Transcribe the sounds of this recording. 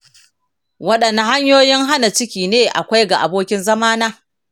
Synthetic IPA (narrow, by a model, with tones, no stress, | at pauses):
wɐ˦ɗɐ˨nːa˨ɦa˦ɲjoː˦jɪ˦ŋɦa˦na˨t͡ʃɪ˦kʲiː˨neː˦ʔa̰˨kʷa˦jɡa˨ʔa˨boː˦kʲɪ˦nzɐ˦maː˦naː˦